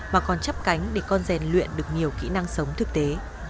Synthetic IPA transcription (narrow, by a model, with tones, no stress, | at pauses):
maː˨˩kɔ˨˩nt͡ɕa˦˥p̚ka˨˦jŋ̟ɗe˧˩kɔ˧nzɛ˨˩nlwḭ˧˨ənɗɨ˨˩ək̚ɲi˨˩əwkḭ˧˥na˧ŋsə˨˦wŋ͡mt̪ʰɨ˨˩k̚t̪e˨˦